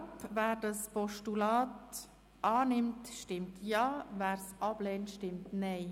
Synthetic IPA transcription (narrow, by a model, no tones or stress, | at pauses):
pvæːɾdɑspɔʃtulɑːt | ʔɑːnɪmtʃtɪmtjɑːvæːɾsɑb̥lɛːntʃtɪmtnɛɪ